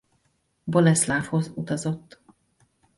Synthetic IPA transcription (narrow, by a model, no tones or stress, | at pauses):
bolɛslaːfho̞zut̪ɒzo̞t̪ː